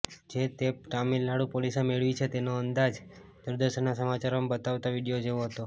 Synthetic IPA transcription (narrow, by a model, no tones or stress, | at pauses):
d͡ʒet̪eʈamilːaɽupolisemeɭʋit͡ʃʰet̪enoənd̪ad͡ʒ | d̪̥uɾd̪əʃənːasəmat͡ʃaɾombət̪aʋt̪aʋiɽijod͡ʒeʋoɦət̪o